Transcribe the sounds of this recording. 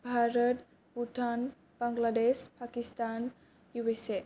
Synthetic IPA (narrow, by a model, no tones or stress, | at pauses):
bʱaɾət̪ | buʈʰan | baŋɡladespakist̪an | juwese